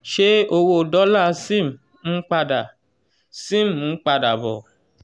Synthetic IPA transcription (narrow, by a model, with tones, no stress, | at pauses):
ʃe˦o˧wo˧˨dɔ˦la˦˨sĩ˦˨m˨ | ũ˦k͡pa˧da˨ | sĩ˦˨m˨ũ˨˦k͡pa˧da˨bɔ̰˨